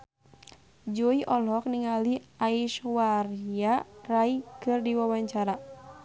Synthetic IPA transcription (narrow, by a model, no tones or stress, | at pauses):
d͡ʒɔiʔɔlɔk̚niŋaliaiʃwariaraikɨrdiwawaɲt͡ʃaɾa